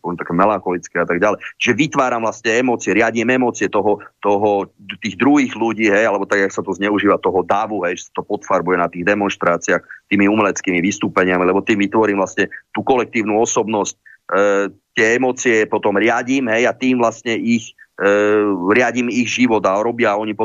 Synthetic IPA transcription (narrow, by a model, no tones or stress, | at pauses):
pɔɛmt̪akɛmɛlaŋxɔlit͡skɛat̪aɡɟalɛjt͡ʃiʒɛʋit̪ʋaːɾamvlast̪ɲɛɛmɔːt͡siɛɾɪaɟimɛmɔːt͡sɪɛt̪ɔɦɔt̪ɔɦɔt̪iːɣd̪ɾuɦiːɣluɟiːɦɛjalɛbɔt̪aɡaksat̪ɔzɲɛuʒiːʋat̪ɔɦɔd̪aʋuɦɛjʒɛsḁt̪ɔpɔt̪faɾbujɛnat̪iːɣd̪ɛmɔnʃt̪ɾaːt͡siɪaxt̪iːmiumɛlɛt͡skiːmiʋist̪uːpɛɲɪamilɛbɔt̪iːmʋit̪ʋɔɾiːmvlast̪ɲɛt̪uːkɔlɛk̚t̪iːʊnuɔsɔbnɔsc̚ | t̪ɪɛɛmɔːt͡siɛpɔt̪ɔmɾɪaɟiːmɦɛjat̪iːmvlastɲɛix | ɾɪaɟimiɣʒiʋɔd̪aɔɾɔbɪaɔɲipɔ